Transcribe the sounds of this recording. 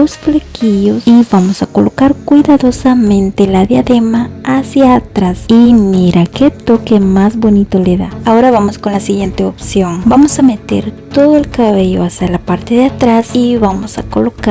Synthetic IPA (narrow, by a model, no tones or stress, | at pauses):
osflekiʝo̞siβamosako̞lo̞kaɾkwiðaðo̞samẽ̞nt̪elaðjaðe̞maasjaːt̪ɾasimiɾaket̪o̞kemazβo̞nit̪o̞leða̰ao̞ɾaβamo̞sko̞nlasiɣje̞nt̪e̞opsjo̞ŋbamosame̞t̪e̞̰ɾt̪o̞ðoe̞lkaβe̞ʝo̞̰asjalapaɾt̪e̞ðeat̪ɾasiβamosa̰ko̞lo̞ka